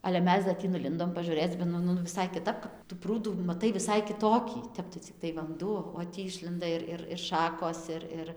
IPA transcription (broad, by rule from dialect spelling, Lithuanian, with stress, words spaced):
ɐlʲɛ ˈmʲɛs dɐ ˈtʲiː nʊˈlʲɪndoːm pɐʒʊˈrʲeːt͡s bɐ ˈnʊ nʊ ʋʲɪˈsɐɪ kʲɪˈtɐp kɐp ˈtʊ ˈpruːduː mɐˈtɐɪ ʋʲɪˈsɐɪ kʲɪˈtoːkʲiː ˈtʲɛp tɐɪ t͡sʲɪkˈtɐɪ ʋɐnˈduɔ oː ˈtʲiː ˈɪʃʲlʲɛndɐ ɪr ˈɪr ɪr ˈʃɑːkoːs ˈɪr ˈɪr